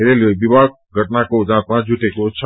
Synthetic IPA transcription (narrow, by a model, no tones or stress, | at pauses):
eɾelobibaɡ̚ɡʱəʈnakod͡ʒãt̪̚mãd͡ʒuʈekot͡ʃʰ